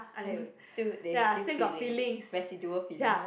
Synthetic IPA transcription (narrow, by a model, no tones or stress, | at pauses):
ãstidejaastiɡɔtfilĩŋsɹɛsiduəfilja